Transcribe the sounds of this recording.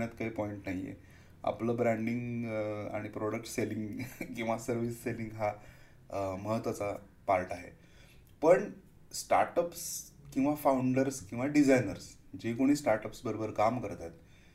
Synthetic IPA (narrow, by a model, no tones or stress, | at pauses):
ət̪kaɦipɔiɳʈnaɦijḛ | a̰pləːbɾaɳɖiŋɡa̰ɽ̃ipɾɔɽək̚ʈseliŋɡkĩw̃ʋasəɾʋisːeliŋɡɦa | məɦət̪ʋat͡sa | paɾʈaɦḛ | pəɳ | sʈa̰ɾʈəpskĩw̃ʋafauɳɖəɾskĩw̃ʋaɖid͡zajnəɾsd͡ʑekoɽ̃iːsʈaɾʈəpsbəɾobəɾkamkəɾt̪at̪